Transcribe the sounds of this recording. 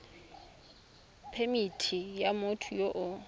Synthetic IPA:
pʰemitʰijamʊtʰʊjoʔʊ

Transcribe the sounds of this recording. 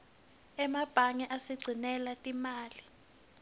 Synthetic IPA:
ɛmab̥ʱaŋɛʔasiɡ͡ǀʱinɛlatʼimaːli

